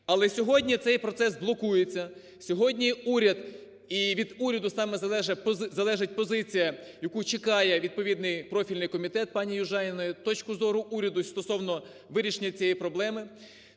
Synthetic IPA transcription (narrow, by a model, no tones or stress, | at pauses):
ɐlˠɛsʲɔɦɔdʲnʲit̪sɛjpɾɔt̪sɛsblˠɔkujet͡sʲːɐ | sʲɔɦɔdʲnʲiuɾʲɐd̪ | iʋʲid̪uɾʲɐd̪ʊsɑmɛzɐɛʒepzɐlˠɛʒɪt̚ʲpɔzɪt͡sʲijɐjɐkut͡ʃɪkɑjɛʋʲid̪̚pɔʋʲid̪nɪjpɾɔfʲilʲnɪjkɔmʲit̪ɛt̪̚pɑnʲijʊʒɑjʲɪnɔjʊt̪ɔt͡ʃkʊzɔɾʊʔuɾʲɐd̪ʊst̪ɔsɔwnɔ | ʋɪɾʲiʃenʲɐt͡sʲijipɾɔblˠɛmɪ